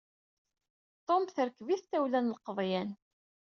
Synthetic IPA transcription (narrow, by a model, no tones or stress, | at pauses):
t̪ˤomθəɾkːviθt̪æwlænlqəðˤjæn